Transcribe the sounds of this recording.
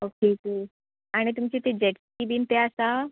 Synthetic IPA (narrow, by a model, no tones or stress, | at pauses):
okeke | aɽ̃it̪umt͡ɕit̪ed͡ʑeʈskibiːnt̪easa